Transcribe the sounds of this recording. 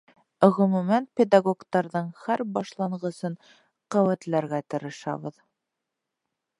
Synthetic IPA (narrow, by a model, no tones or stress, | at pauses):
ɵ̆ʁɵ̆mʉmænpʲed̪aɡokt̪ɑɾðɤɴhæɾbɑʃlˠɑɴʁɤ̆sɤn | qæwæt̪læɾɡæt̪ɤ̆ɾɤ̆ʃɑ̰βɤð